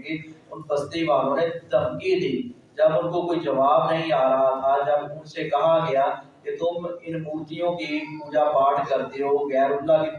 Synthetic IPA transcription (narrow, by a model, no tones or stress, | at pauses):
ɡiʊnpəst̪ibaːlõnet̪əmkid̪ʱiː | d͡ʒəbʊnkokoːid͡ʒəʋaːbnəɦĩaːɾəɦat̪ʰad͡ʒəbʊnsekɐɦaɡɐjaːket̪ʊmɪnbuːt̪ijõkipuːd͡ʒapaːʈʰkəɾt̪eɦoɣɛːɾʊlːaki